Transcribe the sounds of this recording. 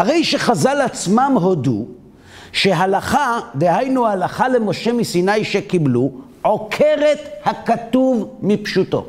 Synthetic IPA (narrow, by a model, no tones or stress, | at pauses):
haʁe̞jʃeχazalat͡smamɦo̞dṵ | ʃe̞ɦalaχad̪ehajnuhalaχale̞mo̞ʃe̞misinajʃekiblu | ʕo̞kʰeʁe̞t̪hakat̪uvmipʃuto̞̰